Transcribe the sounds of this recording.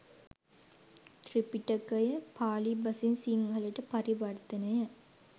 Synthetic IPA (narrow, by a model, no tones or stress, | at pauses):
t̪ripiʈəkəjəpaːlibɐsinsiŋɡʱɐləʈəpaɾiʋɐrt̪ənəjə